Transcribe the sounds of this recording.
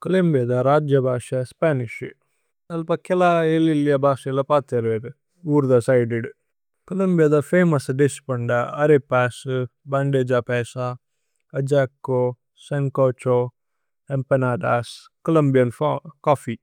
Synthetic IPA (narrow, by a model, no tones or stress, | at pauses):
kɐlɐmbijɐd̪ɐɾaːd͡ʒjɐbʱaːʂɐspaːniʃ | ɐlpɐkelaelilijɐbʱaːʃɐlɐpaːt̪eɾʋeɾ | uːɾd̪ɐsɐjɖeɖ | kɐlɐmbijɐd̪ɐfeːmɐsɖispɐɳɖaɐɾepaːsbɐɳɖeːd͡ʒapɛːsa | ɐd͡ʒaːkːo | sɐŋkoːt͡ʃo | empɐnaːɖaːs | kɐlɐmbijɐnfkaːfi